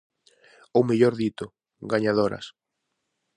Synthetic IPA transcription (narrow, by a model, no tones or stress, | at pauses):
omeʎoɾðit̪ʊ | ɡaɲaðoɾɐ̰s